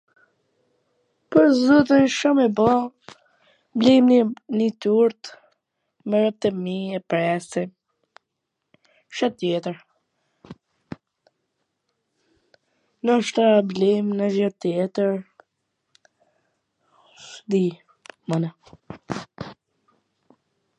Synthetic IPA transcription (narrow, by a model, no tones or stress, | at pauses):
pɔzut̪ənʃɔmɛbɔ | blimnnit̪uɾt̪ | mɛɾəp̚t̪əmiɛpɾɛsɛ | ʃɔt̪ːjɛt̪əɾ | nɔʃt̪ablɛmnazɔt̪ːjɛt̪əɾ | d̪i | mana